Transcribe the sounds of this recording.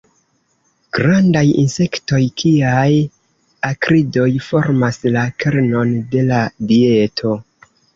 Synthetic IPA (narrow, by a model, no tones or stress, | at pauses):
ɡ̥ɾandajḭnse̞kto̞jkʰiaj | akɾido̞jfo̞ɾmaslakʰeɾno̞nde̞ladie̞tʰo̞